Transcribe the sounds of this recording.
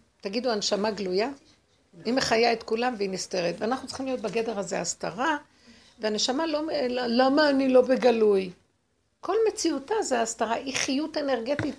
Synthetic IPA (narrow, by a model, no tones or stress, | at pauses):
t̪aɡiduanʃamaɡluja | imeχajaet̪kulamveiniste̞ʁet̪veanaχnutt͡sl̥χimlijo̞t̪̚baɡe̞deʁhazeastaʁa | veane̞ʃamalolamaːnilo̞be̞ɡaluj | ko̞lme̞t͡siutazeastaʁaʔiχijute̞ne̞ʁɡe̞t̪it